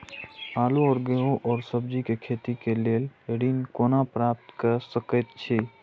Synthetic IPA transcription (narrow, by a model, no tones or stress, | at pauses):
aːluɔːɾɡeɦõʔɔːɾsəbd͡ʒikekʰet̪ikeleleɽinkonapɾap̚t̪kəɾsəkɛt̪̚t͡ʃʰi